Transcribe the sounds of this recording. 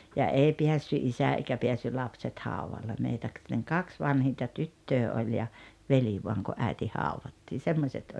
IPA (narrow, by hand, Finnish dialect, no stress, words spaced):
jɑ eˑi piæsːy ʔisæ eikæ peæsːy lɑpset hɑuʋɑlːe meitæ kɑks ʋɑnhintɑ tytːøː olʲ jɑ ʋeli ʋoɑŋ ku ʔæi̞ti hɑuʋɑtːiːn̞ semːosʲet